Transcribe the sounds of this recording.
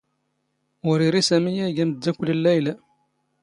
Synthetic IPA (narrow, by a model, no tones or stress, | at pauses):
ʊɾiɾisæmijæɡæməd̪ːækʷləlːæjlæ